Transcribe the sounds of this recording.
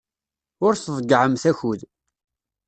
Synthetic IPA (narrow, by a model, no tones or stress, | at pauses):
ʊɾθðˤəɡʕəmθæçuð